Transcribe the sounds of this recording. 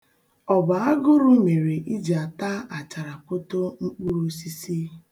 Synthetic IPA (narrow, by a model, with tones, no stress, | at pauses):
ɔ˨ba˨a˦ɡʊ˦ɾʊ˦me˨ɾe˨ʔi˦d͡ʒa˨ta˦a˨t͡ʃa˨ɾa˨kʊ˦to˦ŋ͡m̩˦k͡pu˦ɾu˦si˦si˦